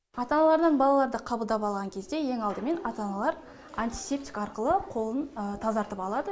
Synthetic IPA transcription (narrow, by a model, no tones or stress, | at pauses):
ɑt̪ɑnɑlˠɑɾd̪ɑnbɑlˠɑlˠɑɾd̪əqʰɑbəlˠd̪ɑpɑlˠʁɑŋkʲʰe̞zd̪e̞je̞ŋɑlˠd̪əme̞nɑt̪ɑnɑlˠɑɾ | anʲt̪ʲi̥se̞p̚t̪ʲi̥kɑɾqəlˠəqʰo̞lˠənət̪ʰɑzɑɾt̪əpɑlˠɑd̪ə